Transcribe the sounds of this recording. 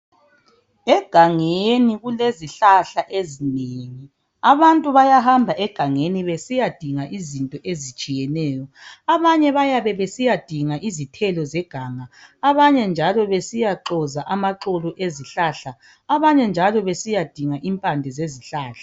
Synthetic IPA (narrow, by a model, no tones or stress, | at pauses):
ɛɡ̥ʱaŋeniɣuleziɬaɬaʔezineːŋi | aβantʼuβajahambʱaʔɛɡ̥ʱaŋeniβesijad̥ʱiŋaʔizintʼɔʔezit͡ʃʼijɛnɛːjɔaβaɲɛβajaβɛβesijad̥ʱiŋaʔizitʰɛlɔzɛɡ̥ʱaːŋaːβaɲɛnd͡ʒʱalɔβesijaǁɔzaʔamaǁoluʔeziɬaɬaː | βaɲɛnd͡ʒʱalɔβesijad̥ʱiŋaʔimpʼandʱɛzeziɬaːɬa